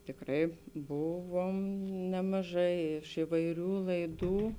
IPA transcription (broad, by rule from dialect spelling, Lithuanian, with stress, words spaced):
tʲɪkˈrɐɪ ˈbʊˌʋoːm nʲɛmɐˈʒɐɪ ɪʃ ɪʋɐɪˈrʲuː lˠɐɪˈduː